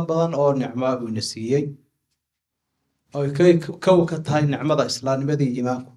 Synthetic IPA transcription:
mbɐðɐnɔːnɪʕmaːβuːnɐsiːjɛj | ɔːjkʰɐwkʰɐt̪ʰɐɦɛjnɪʕmɐðɐɪslaːnɪmɐðiːiːmaːŋkʰʊ̥

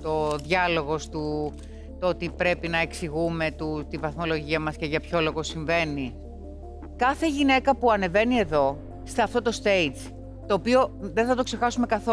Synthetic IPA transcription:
t̪oðʝɐlo̞ɣo̞st̪u | t̪oot̪ipɾe̞pinɐeksiɣume̞t̪ut̪ivɐθmo̞lo̞ʝiɐmɐsce̞ʝɐpço̞lo̞ɣo̞siɱve̞ni | kɐθe̞ʝine̞kɐpuɐne̞ve̞nie̞ðo̞ | st̪eɐft̪o̞t̪o̞st̪e̞it͡s | t̪o̞ːpio̞ðeθɐt̪o̞kse̞xɐsume̞kɐθo

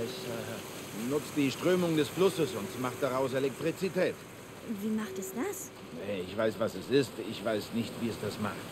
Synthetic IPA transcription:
ɪç | nʊt͡sd̥iːʃtʁ̥øːmʊŋdɛsflʊsəsʊntmaχd̥aʁaʊselɛk̚tʁ̥it͡sitʰɛːt | viːmaχtɛsd̥as | ɛɪçv̥aɪsv̥asɛsɪstɪçv̥aɪsnɪçtv̥iːɛsd̥asma̰χt

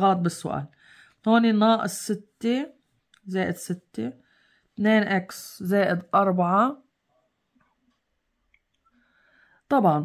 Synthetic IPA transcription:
ɣɑːt̪̚bɪsːʊ̰ʔa̰ːl | hoːninɑːʔɪsːɪt̪ːe | zeːʔɪd̪sɪt̪ːe | t̪neːnʔakszeːʔɪd̪ʔɑɾˤbaʕɑ | t̪ˤɑbʕɑn

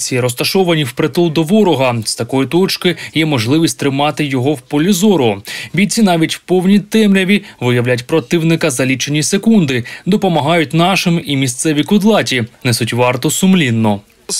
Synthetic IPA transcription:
t͡sʲiiɾɔst̪ɐʃɔʋɐnʲiwpɾet̪ɔlˠd̪ɔʋɔɾɔɦɐst̪ɐkɔjʊt̪ɔt͡ʃkɪjɛmɔʒlˠɪʋʲisʲtʲt̪ɾɪmɑt̪ɪjɔɦɔwpɔlʲizɔɾɔbʲit͡sʲinɑʋʲitʲwpɔwnʲit̪ɛmɾʲɐʋʲiʋɪjɐwlʲatʲpɾɔt̪ɪwnɪkɐzɐlʲit͡ʃenʲisekund̪ɪd̪ɔpɔmɐɦɑjʊtʲnɑʃɪmimʲist̪sɛʋʲikʊd̪lˠɑtʲinɛsʊtʲʋɑrt̪ɔsʊmlʲinːɔ

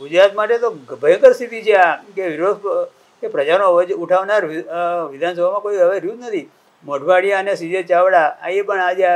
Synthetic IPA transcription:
ɡud͡ʒɾat̪maʈet̪oɡbʱəjkəɾst̪ʰit̪it͡ʃʰeakeʋiɾod̪ | kepɾəd͡ʒaɾnod͡ʒuʈʰaʋnaɾʋid̪ʱansəbʱamãkoiəʋeɾjud̪nət̪ʰi | məʈʰʋaɽijaənesid͡ʒət͡ʃaʋɽaa̰epəɳad͡ʒa

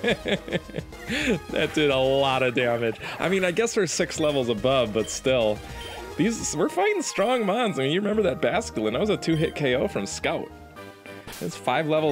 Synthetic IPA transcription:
ðɨ̰t̚d̥ɪɾəlɔɾʌdæmɨ̥d͡ʒʔaɪmĩnaɪɡɛsðə˞sɪkslɛvl̩ˠzəbʌvbʌtstɪlˠ | ðizwɪɹfãɪ̃ɪ̃ŋstɹ̥ɔ̃ŋmãɪ̃nzaɪmĩnjɨɹɨmɛ̃mbə˞ðɨt̚b̥æskətˡl̩ˠə̃naɪwʌzɨtʰʉɦɪt̚kʰeɪoʊfɹʌ̃mskaʊt̚ | ɨz̥faɪvlɛvl̩ˠ

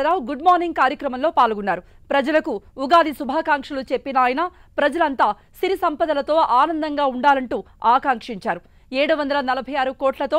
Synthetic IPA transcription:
ɾaːwɡuɖmaːɾniŋɡ̚kaːɾjɐkɾɐmɐnlo̞ːpaːlɡunːaːɾu | pɾɐd͡ʒɐlɐkuːɡaːd̪isubʱaːkaːŋkʂɐlut͡ʃepːinaːjna | pɾɐd͡ʒɐlɐnt̪aː | siɾisɐmpɐd̪ɐlɐt̪o̞ːʔaːnɐnd̪ɐŋɡaːuɳɖaːlɐɳʈuː | aːkaːŋkʂiɲt͡ʃaːɾu | eːɽuʋɐnd̪ɐlɐnɐlɐbʱɐjaːɾukoːʈlɐt̪o̞ː

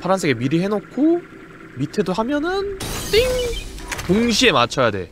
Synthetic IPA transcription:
pʰaɾansʰeɡemiɾiɦe̞nokʰo | mitʰe̞doɦamjʌnɯnt͈iŋpoŋɕʰie̞mat͡ɕʰʌjade̞̰

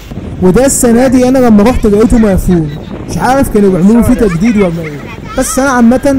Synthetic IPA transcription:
wed̪æsːænæːd̪iʔænælæmːæɾˤoːħt̪eɡæʔeːt̪umæfuːn | ʃʕaːɾefkæːnbeʕmelufiːt̪æɡd̪iːd̪wæmæ | b̥æsːʔænæʕamːæt̪æn

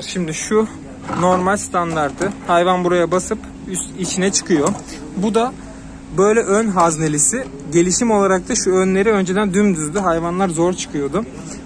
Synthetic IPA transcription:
ʃimd̪ɪʃu | no̞ɾmalʲst̪ʰand̪aɾt̪ɯhajvanbuɾajabasɯp | ysit͡ʃʰinɛt͡ʃʰɯ̥kʰɯjo̞ | bud̪a | bø̞jlʲɛʔønɦaznelʲisɪ | ɟe̞lʲiʃimo̞lˠaɾak̚t̪ʰaʃuønlʲe̞ɾiø̞nd͡ʒe̞d̪ænd̪ymd̪yzd̪yɦajvanlˠaɾzo̞ɾt͡ʃʰɯ̥kʰɯjo̞d̪ʊ

